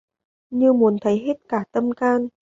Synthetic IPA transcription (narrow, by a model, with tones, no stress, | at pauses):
ɲɨ˧mu˨˦ənt̪ʰə˨˦jɦe˦˥t̚kaː˧˩t̪ə˧mkaː˧n